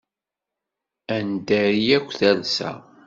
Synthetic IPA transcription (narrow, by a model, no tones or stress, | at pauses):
ænd̪æɾijækʷːθælsæ̰